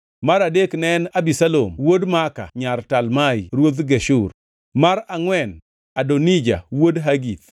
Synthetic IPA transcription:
maɾadeknɛnabisalo̰mwodmaka̰ɲartalmajɾwod̪ɡeʃur | maɾaŋwɛn | adonid͡ʒa̰wodɦaɡit̪̚

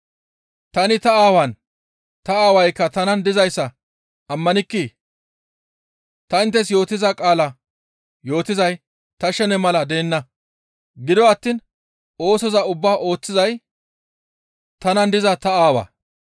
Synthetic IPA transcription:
t̪ɐnɪt̪ɐaːwɐn | t̪ɐaːwɐjkːɐt̪ɐnɐnd̪ɪzɐjsːɐ | ʔɐmːɐnɪkːi | t̪ɐɪnt̪ːɛsjo̞ːt̪ːɪzɐkʼaːlɐ | jo̞ːt̪ɪzɐj | t̪ɐʃɛnɛmɐlɐd̪eːnːɐ | ɡɪd̪ɔɐt̪ːiːn | o̞ːsɔzɐʊbːaːʔo̞ːt͡sːɪzɐj | t̪ɐnɐnd̪ɪzɐt̪ɐaːwɐ̰

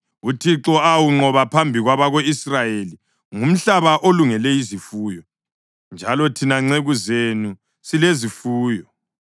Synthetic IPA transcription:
utʰiǁɔawuŋ͡ǃɔβapʰambʱiɣwaβaɣoisrajeli | ŋum̩ɬaβaʔoluŋɛlɛjizifuːjɔ | nd͡ʒʱalɔtʰinaŋ͡ǀeɣuzenu | silezifuːjɔ

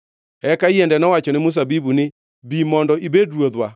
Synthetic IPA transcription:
ɛkaijɛndɛnɔwat͡ʃɔnɪmʊs̬abibunɪ | bimɔndɔʔibedɾwod̪wa

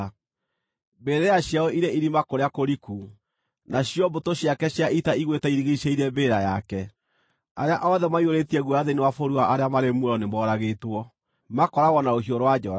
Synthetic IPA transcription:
mbeːɾejaɕjaɔʔiɾeiɾimakoɾeakoɾiku | naɕjɔbotoɕjakɛɕjaitaiɣwetɛiɾiɣiʃeiɾɛmbeːɾajakɛ | aɾeaʔɔðɛmaioɾetiɛɣwɔaðenewafoɾuaʔaɾeamaɾemwɾɔnemɔɾaɣetwɔ | makɔɾaɣɔnaoɦioɾowad͡ʒɔɾa

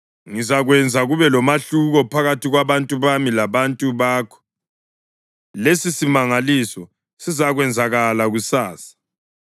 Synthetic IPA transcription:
ŋizaɣwɛnd͡zʱaɣuβɛlɔmaɬuɣɔpʰaɣatʰʼiɣwaβantʼuβamilaβantʼuβaːkʰɔ̥ | lesisimaŋalisɔ | sizaɣwɛnd͡zʱaɣalaɣusaːsḁ

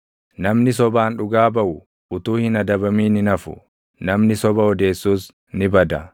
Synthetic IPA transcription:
nɐmnɪs̬ɔbaːnᶑʊɡaːbɐʔʊ | ʔʊt̪uːhɪnɐd̪ɐbɐmiːnɪnɐfʊ̰ | nɐmnɪsɔbɐɔd̪e̞ːsːuːs | nɪbɐd̪ɐ

